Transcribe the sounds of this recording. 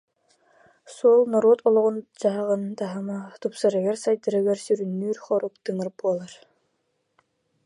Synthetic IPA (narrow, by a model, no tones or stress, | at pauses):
suɔlˠnɔɾoɔt̪ɔlˠɔʁund͡ʑaɦaʁɯnt̪aɦamat̪upsaɾɯɡɛɾsajd̪aɾɯɡɛɾsyɾynːyːɾχɔɾukt̪ɯŋɯɾbuɔlˠaɾ